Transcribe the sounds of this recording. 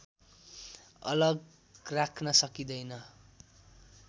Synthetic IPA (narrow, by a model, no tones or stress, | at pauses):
ʌ̰lʌɡ | rakʰnʌsʌkid̪ʌjnʌ